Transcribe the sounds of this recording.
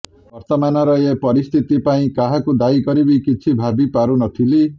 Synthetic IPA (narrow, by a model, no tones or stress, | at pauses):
bʌɾt̪ɔmanʌɾʌepʌɾist̪ʰit̪ipaĩkaɦakud̪ajɡʌɾibikit͡sʰibʱabipaɾunʌt̪ʰili